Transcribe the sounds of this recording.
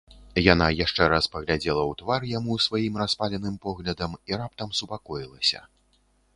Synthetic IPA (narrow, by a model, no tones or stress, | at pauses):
janajaʂt͡ʂɛɾaspɐɣlʲad͡zʲɛlˠɐwt̪varjamusvajimraspalʲɛnɨmpɔɣlʲɐd̪ɐmiɾap̚t̪ɐmsupakɔjilˠɐsʲɐ̰